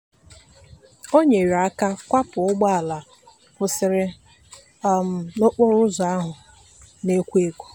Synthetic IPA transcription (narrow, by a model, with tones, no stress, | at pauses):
o˦ɲe˨ɾa˦ka˦kʷa˦pʊ˨ʊ˦ɡ͡ba˦a˨la˨ | pʊ˨sɪ˨ɾɪ˦˨ | no˦k͡po˦ɾʊ˦zɔ˨a˦ɦʊ˨ | ne˦kʷu˦e˦kʷu̥˦